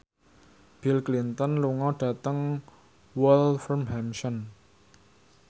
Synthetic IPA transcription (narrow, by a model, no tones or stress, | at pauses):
b̥ilklint̪ənluŋɔɖ̥ä̤t̪əŋ | wɔlfərmɦɛmsən